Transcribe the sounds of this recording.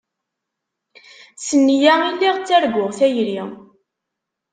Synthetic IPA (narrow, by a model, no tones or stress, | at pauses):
sənːjæilːiʁt͡sːæɾɡʷʊʁθæjɾi